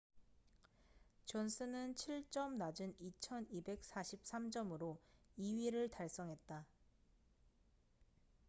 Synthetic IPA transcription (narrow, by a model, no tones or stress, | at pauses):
t͡ɕʌnsʰɯnɯnt͡ɕʰiɭt͡ɕ͈ʌmnad͡ʑɯnit͡ɕʰʌnibe̞k̚s͈aɕʰip̚s͈amd͡ʑʌmɯɾoiɥiɾɯɭtaɭs͈ʌŋɦe̞t̚t͈a